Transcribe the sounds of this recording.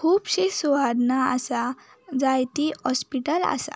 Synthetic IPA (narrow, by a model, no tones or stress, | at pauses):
kʰuːbɕisuʋad̪naasa | d͡zajt̪ihɔspiʈəla̰sa̰